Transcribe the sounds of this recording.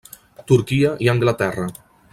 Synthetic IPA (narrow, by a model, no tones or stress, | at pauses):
t̪uɾkiəʔiəŋɡlat̪ɛrə